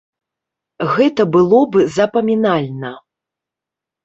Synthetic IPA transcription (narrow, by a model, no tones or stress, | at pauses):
ɣɛt̪ɐbɨlˠɔbɨzɐpɐmʲinalʲnɐ